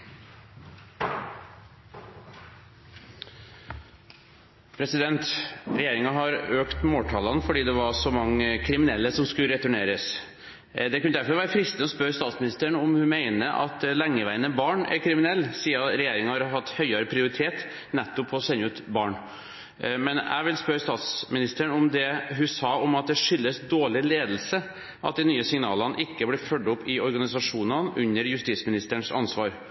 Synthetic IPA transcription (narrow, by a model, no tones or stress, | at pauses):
pʰɾɛsɪd̪ɛnt̪ɾɛjeːɾɪŋɑɦɑɾøːkt̪moːʈ̪ʰɑːlɑnəfɔɖiːd̪ɛʋɑʂɔmɑŋːəkʰɾɪmɪnɛlːəsɔmskʉɾɛt̪ʉɳeːɾəs | d̪ɛkʰʉnəd̪æɾfɔɾʋæːɾəfɾɪst̪nəɔspœɾst̪ɑːt̪smɪnɪst̪əɳɔmhʉnmæɪnəʔɑ̰t̪læŋːəʋæɪənəbɑːɳæ̰ɾkʰɾɪmɪnɛlːsiːəɾɛjeːɾɪŋəhɑɾɦɑt̪ːhœʏɑɾəpʰɾɪʊɾɪt̪ʰeːt̪ | nɛt̪ːʊpʰɔsɛnːəʉːt̪bɑːɳ | mɛnæ̰ɪʋɪlspœɾst̪ɑːt̪smɪnɪst̪əɳɔmd̪ɛɦʉsɑːɔmɑt̪̚d̪ɛʂʏlːəsd̪oːɭɪleːd̪lsə | ʔɑt̪̚d̪ɛnyːəsɪŋnɑ̰ːlənʔɪkːəblɪfœɖːɔpʰːɪɔɾɡɑnɪsɑʂuːnənʔʉɲːəɾjʉst̪iːt̪smɪnɪst̪əɳsɑ̰nsʋɑːɾ